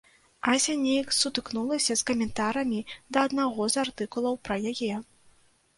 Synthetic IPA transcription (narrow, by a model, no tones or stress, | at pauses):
asʲanʲejksut̪ɨknulˠɐsʲɐskɐmʲɛnt̪aɾɐmʲid̪ɐːd̪naɣɔzart̪ɨkulˠɐwpɾɐjajɛ